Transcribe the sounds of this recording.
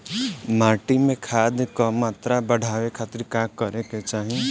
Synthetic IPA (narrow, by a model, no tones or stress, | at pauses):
maːʈimẽkʰaːd̪kɔmaːt̪ɾabəɽ̤ʱaːwekʰaːt̪ɪɾkakəɾeket͡ʃaːɦi